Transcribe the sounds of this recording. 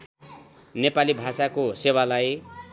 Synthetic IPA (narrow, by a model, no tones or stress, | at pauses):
nepalibʱasakosewalaj